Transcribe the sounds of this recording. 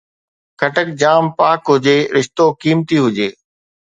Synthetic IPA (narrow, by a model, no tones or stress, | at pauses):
kʰɐʈək̚d͡ʑaːmpaːkɦʊd͡ʑeːɾɪʃt̪okiːmt̪iɦʊd͡ʑeː